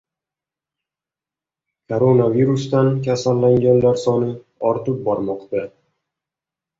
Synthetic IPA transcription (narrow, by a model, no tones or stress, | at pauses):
kʰoɾonaviɾust̪ankʲʰasalːaŋɡʲanlaɾsɒnɪ | ɒɾt̪ɪp̚bɒɾmɒqt̪a